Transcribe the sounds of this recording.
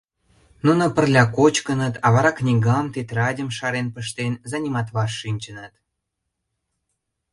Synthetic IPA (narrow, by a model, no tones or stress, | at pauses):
nunŏpə̆rlʲɑkot͡ɕkənət̪ʰɑβɑɾɑknʲiɡɑmt̪et̪rɑdʲəmʃɑɾenpəʃt̪enzɑnʲimɑt̪βɑrːinʲt͡ɕənət̪